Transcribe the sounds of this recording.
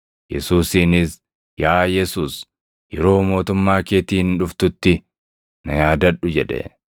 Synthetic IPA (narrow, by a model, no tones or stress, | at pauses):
jɛ̰suːsiːnɪs | jaːjɛsuːs | jɛɾo̞ːmo̞ːt̪ʊmːaːkeːt̪iːnᶑʊft̪ʊt̪ːɪ | nɐjaːd̪ɐᶑʊd͡ʒɛᶑɛ̰